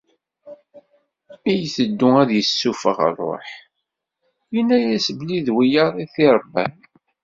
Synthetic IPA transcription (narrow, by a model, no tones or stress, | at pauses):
æjθəd̪ːʊæðjəsːufəʁə̰ɾˤo̰ħ | jənːæjæsəbliðwijəɾˤiθiɾˤbːæ̰n